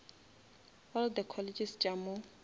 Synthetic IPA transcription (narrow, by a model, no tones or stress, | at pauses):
ɔld̪əkʰɔled͡ʒɪsd͡ʒamo